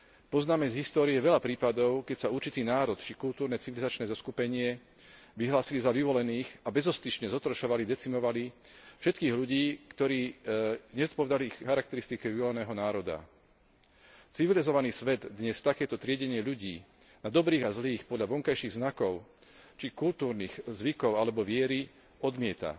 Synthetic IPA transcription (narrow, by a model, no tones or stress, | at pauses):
pɔznaːmɛzɦist̪ɔːɾiɛʋɛʎapɾiːpad̪ɔʊkɛcsauɾt͡ʃit̪iːnaːɾɔt̪t͡ʃikult̪uːɾnɛt͡siʋilizat͡ʃnɛːzɔskupɛɲɪɛ | ʋiɦlaːsilizaʋiʋɔlɛniːxabɛzɔst̪iʃɲɛzɔt̪ɾɔʃɔʋalid̪ɛt͡simɔʋalifʃɛt̪kiːɣʎuɟiːkt̪ɔɾiːɲɛzɔt̪̚pɔʋɛd̪aliixːaɾak̚t̪ɛɾist̪ikɛʋiʋɔlɛnɛːɦɔnaːɾɔd̪a̰ | t͡siʋilizɔʋaniːsʋɛd̪d̪ɲɛst̪akɛːt̪ɔt̪ɾɪɛɟɛɲɪɛʎuɟiː | nad̪ɔbɾiːɣazliːxpɔd̪ʎaʋɔŋkajʃiɣznakɔʊt͡ʃikult̪uːɾniːxzʋikɔʊalɛbɔʋɪɛɾi | ɔd̪mɪɛt̪a̰